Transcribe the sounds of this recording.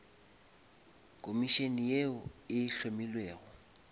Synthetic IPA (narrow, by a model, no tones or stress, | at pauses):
kʼomiʃenijeʊɪɬomilweːɣɔ